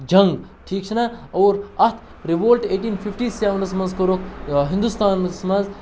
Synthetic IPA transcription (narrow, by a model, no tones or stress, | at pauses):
d͡ʒɐŋɡʈʰiːk̚t͡ʃʰinaɐːɾɐt̪ʰ | ɾiʋoːlʈeːʈinpʰifʰʈiːseʋnsmɐ̃nzkoɾokɦĩnd̪ust̪aːnsmɐnz